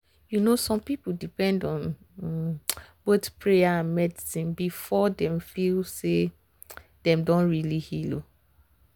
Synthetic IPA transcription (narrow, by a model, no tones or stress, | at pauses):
junosɔ̃mpipuldipɛ̃ndɔ̃n | botpʰɹejaãnmɛdisĩnbifɔdɛ̃mfilse | d̥ɛ̃mdõnɹilihilo